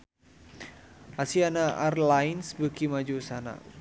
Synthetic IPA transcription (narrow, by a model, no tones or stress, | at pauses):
asianaarlainsbəkimad͡ʒusana̰